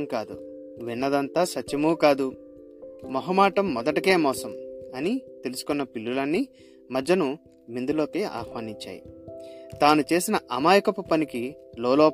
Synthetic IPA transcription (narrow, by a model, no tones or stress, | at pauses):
mkaːd̪u | ʋinːɐd̪ɐnt̪aːsɐtːjɐmuːkaːd̪u | mɐɦɐmaːʈɐmːɔd̪ɐʈike̞ːmɔːsɐmɐnit̪e̞lusu̥kunːɐpilːulɐnːi | mɐd͡ʒːɐnu | mind̪ulo̞ːkeːʔa̰ːxʋaːniɲt͡ʃa̰ːjḭt̪aːnut͡ʃe̞ːsinɐʔɐmaːjɐkɐpupɐnikiloːloː